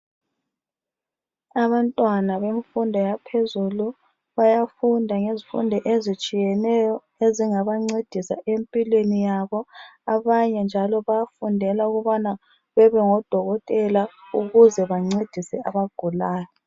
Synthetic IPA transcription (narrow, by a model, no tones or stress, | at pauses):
aβantʼwanaβeɱfundʱɔjapʰezulu | βajafundʱaŋezifṵndʱɔʔezit͡ʃʼijɛnɛjɔ | eziŋaβaŋ͡ǀed̥ʱisa̰ʔempʼilwenijaβɔaβaɲɛnd͡ʒʱalɔβajafundʱɛlauɣuβana | βɛβɛŋɔd̥ʱɔɣɔtʼɛlauɣuzɛβaŋ͡ǀed̥ʱisɛaβaɡ̥ʱulaːjɔ